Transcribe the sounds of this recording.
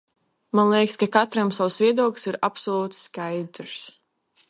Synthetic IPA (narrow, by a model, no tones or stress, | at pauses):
manlˠekskakat̪ɾamsawsvʲiɛd̪uɔklʲsiɾapsɔlˠuːt̪skajd̪ɾs